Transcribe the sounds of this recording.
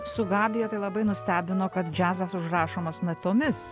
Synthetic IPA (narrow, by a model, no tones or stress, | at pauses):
sʊɡɑːbʲɪjɛt̪ɐɪlˠɐbɐɪnʊsʲt̪ʲæːbʲɪnoːkɐt̪d͡ʒʲæːzɑsʊʒɾɑːʃoːmɐsnɐt̪ʲoːmʲɪs